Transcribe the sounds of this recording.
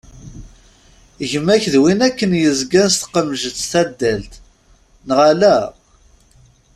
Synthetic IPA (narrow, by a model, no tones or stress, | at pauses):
əʝəmːæçðwinækːənjəzɡænst̪qəmːʒət̪θæd̪ːælt̪ | nəʁalæ